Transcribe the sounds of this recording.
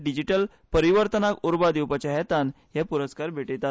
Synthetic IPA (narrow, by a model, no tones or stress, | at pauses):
ɖid͡ʑiʈəl | pəɾiʋəɾt̪ənakuɾbad̪iwpat͡ɕaɦɛt̪an | ɦjɛpuɾəskaɾbʱeʈet̪a